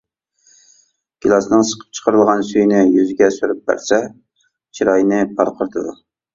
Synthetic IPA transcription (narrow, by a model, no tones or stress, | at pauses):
ɡ̥ʲilˠɑsnɨŋsə̥qʰə̥p̚t͡ʃʰə̥qʰəɾɨlˠʁɑnsyjnɪjyzɪɡʲɛsyɾyp̚bæ̰ɾsɛ | t͡ʃʰiɾɑjnɪpʰɑɾqʰəɾt̪ʰɨd̪u